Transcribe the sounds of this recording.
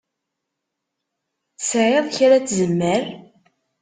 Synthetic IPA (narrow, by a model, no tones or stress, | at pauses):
sʕeðˤçɾæt͡sːzəmːəɾ